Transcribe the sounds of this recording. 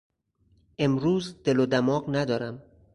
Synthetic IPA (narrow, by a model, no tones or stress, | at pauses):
ʔe̞mɾuːzd̪̥elod̪æmɒːɢnæd̪ɒːɾæm